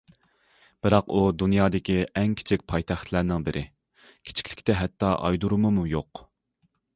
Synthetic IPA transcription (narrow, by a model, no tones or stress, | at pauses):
b̥ɪɾɑqud̪unjɑːd̪ɪkʲiʔɛŋkʲʰi̥t͡ʃʰik̚ʲpʰɑjt̪ʰæχt̪ʰlæɾnɪŋbɪɾʔɪ | kʲʰi̥t͡ʃʰi̥kʰʲlɪ̥kʲt̪ɛɦɛt̪ːɑʔɑ̰jd̪uɾumumujoq